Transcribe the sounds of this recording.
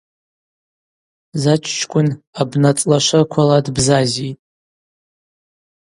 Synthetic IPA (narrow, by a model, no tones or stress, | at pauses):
zat͡ʃʷʰt͡ʃʰkʷʰʼʊnabnat͡sʼlaʃʷakʷʰaladbzazitʼ